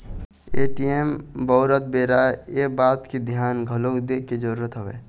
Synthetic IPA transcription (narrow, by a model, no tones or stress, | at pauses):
eːʈijembəːɾət̪̚beːɾaeːbaːt̪kid̪ʱjaːnɡʱəlokd̪eːked͡ʒəɾuːɾət̪ɦəʋḛː